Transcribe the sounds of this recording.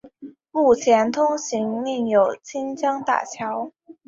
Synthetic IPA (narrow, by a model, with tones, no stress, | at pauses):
mu˥˩t͡ɕʰjɛ˧˥nt̪ʰʊ˥ŋɕi˧˥ŋli˥˩ŋjo˨˩ʊt͡ɕʰi˥nt͡ɕjɑ˥ŋt̪a̰˥˩t͡ɕʰjɑ˧˥ʊ